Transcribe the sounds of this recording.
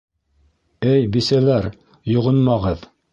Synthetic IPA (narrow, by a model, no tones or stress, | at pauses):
ɘjbisælæɾ | jŏʁɤnmɑʁɤð